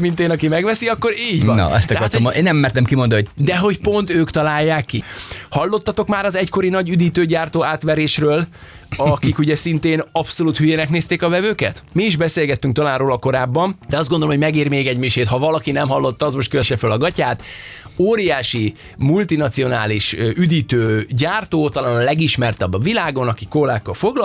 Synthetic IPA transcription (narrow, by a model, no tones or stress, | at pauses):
mint̪eːnɒkimɛɡʋɛsiɒkːo̞ɾiːɟn̰ɛ̰sɒkkɒɾt̪omʔeːnːɛmːɛːrt̪ɛmkimond̪ooɟd̪ɛɦo̞cpo̞nt̪øːkt̪ɒlaːjːaːkːihɒlːo̞t̪ːɒt̪o̞kmaːɾɒzɛcko̞ɾinɒɟyd̪iːt̪øːɟaːrt̪oːaːt̪ʋɛɾeːʃrøːl | ɒkikuɟɛsint̪eːnɒpso̞luːt̪hyjeːnɛkneːst̪eːkɒvɛvøːkɛ̰t̪miːʒbɛseːlɡɛt̪ːyŋk̚t̪ɒlaːnroːlɒko̞ɾaːbːɒmd̪ɛɒzd̪ɡond̪olomoɟmɛɡiːrmeːɡɛɟmiʃeːt̪hɒvɒlɒkinɛmɦɒlːo̞t̪ːɒːzmo̞ʃt̪køʋɛʃɛfølɒɡɒcaːt̪oːɾijaːʃi | mult̪inɒt̪sio̞naːliʃyd̪iːt̪øːɟaːrt̪oːt̪ɒlaːnɒlɛɡiʃmɛrt̪ɛbːɒvilaːɡo̞nɒkikoːlaːkːɒlfo̞ɡlɒ